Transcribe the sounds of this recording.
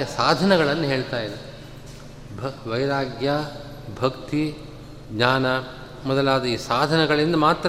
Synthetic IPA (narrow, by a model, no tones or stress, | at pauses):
jɐsaːd̪ʱɐnɐɡɐɭɐnːɐɦe̞ːɭt̪aːjid̪e | bʱʋɐjɾaːɡja | bʱɐkt̪i | ɡɲaːnɐ | mɔd̪ɐlaːd̪ɐiːsaːd̪ʱɐnɐɡɐɭind̪ɐmaːt̪ɾ